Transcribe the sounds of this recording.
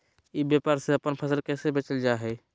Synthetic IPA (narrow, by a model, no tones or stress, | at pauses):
ibjepaɾseəpənpʰəsəlkɛsebet͡ʃəld͡ʒaɦɛ